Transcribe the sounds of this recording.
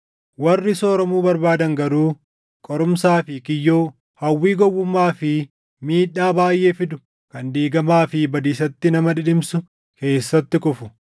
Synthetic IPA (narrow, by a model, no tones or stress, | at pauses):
wɐrːɪso̞ːɾɔmuːbɐɾbaːd̪ɐŋɡɐɾuː | kʼɔɾʊmsaːfɪkɪjːoː | hɐwːiːɡɔwːʊmːaːfɪ | miːᶑaːbaːjʔe̞ːfɪd̪ʊ | kɐnd̪iːɡɐmaːfɪbɐd̪iːsɐt̪ːɪnɐmɐᶑɪᶑɪmsʊ | ke̞ːsːɐt̪ːɪkʼʊfʊ